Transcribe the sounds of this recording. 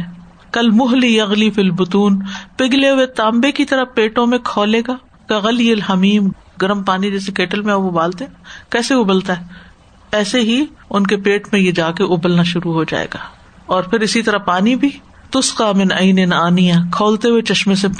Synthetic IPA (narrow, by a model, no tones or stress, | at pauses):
kɐlmʊɦlijɐɣlifilbʊt̪uːnpɪɡleɦʊet̪aːmbekit̪ɐɾəpeːʈõmẽkʰɔːleːɡaː | kɐɣɐlijɐlɦɐmiːm | ɡɐɾəmpaːnid͡ʒɛːsekeːʈəlmẽabʊbaːlt̪eɦɛ̃kɛːseʊbəlt̪aɦɛː | ɛːseɦiʊnkepeːʈmẽjed͡ʒaːkeʔʊbəlnaʃʊɾuɦod͡ʒa̰ːḛːɡaː | ɔːɾpʰɪɾɪsit̪ɐɾəpaːnibʱi | t̪ʊsqaːmɪnɐɪnɪnaːnijãːkʰɔːlt̪eɦʊet͡ʃɐʃmẽse